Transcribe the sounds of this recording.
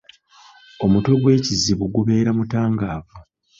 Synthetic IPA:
o̞muto̞ɡwe̞ːciziβuɡuβe̞ːɾamutaːŋɡaːvu

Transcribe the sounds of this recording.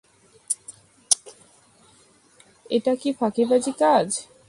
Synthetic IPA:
eʈakifʰakibad͡ʑikad͡ʑ

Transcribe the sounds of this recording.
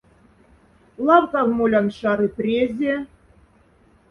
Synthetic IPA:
lˠɑwkɑvmolʲɑnʃɑɾɯprʲezʲe

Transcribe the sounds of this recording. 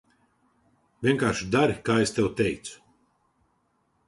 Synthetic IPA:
vʲiɛŋkaːɾʃd̪aɾikaːest̪ewt̪ɛjt̪sʊ̥

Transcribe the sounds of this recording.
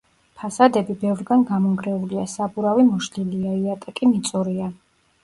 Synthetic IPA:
pʰasad̪ɛbibɛvɾɡanɡamɔŋɡɾɛuliasabuɾavimɔʃliliaiat̪ʼakʼimit̪sʼɔɾia

